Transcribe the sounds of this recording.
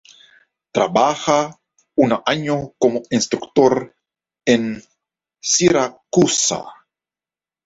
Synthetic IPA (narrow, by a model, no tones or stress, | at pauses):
t̪ɾabaxa | unaʔaɲokomoinst̪ɾukt̪oɾ | en | siɾakusa̰